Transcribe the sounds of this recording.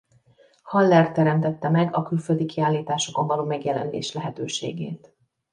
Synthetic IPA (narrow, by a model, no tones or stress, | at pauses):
hɒlːɛrt̪ːɛɾɛmt̪ɛt̪ːɛmɛɡɒkylføld̪ikiaːlːiːt̪aːʃo̞ko̞mvɒloːmɛɡjɛlɛ̰nlḛːʃlɛɦɛt̪øːʃḛːɡḛːt̪